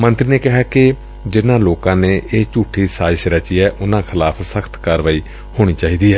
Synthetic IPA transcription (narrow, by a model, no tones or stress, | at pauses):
mənt̪ɾiːneːkɪɦaːkɪ | d͡ʒɪnãːloːkãːneːʔeːt͡ʃuːʈʰːiːsaːʃɾət͡ʃiːɛːʔʊnãːkʰɪlaːpʰsəkʰt̪kaːɾʋaːiː | hoːɽ̃iːt͡ʃaːiːd̪iːɛː